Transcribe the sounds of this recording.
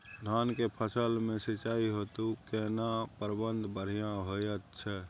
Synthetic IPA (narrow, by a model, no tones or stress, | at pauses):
d̪ʱaːnkepʰəsəlmẽsit͡ʃaːiɦot̪ukenapəɾbənd̪ʱbəɽ̤ijãɦojət̪t͡ʃʰɛ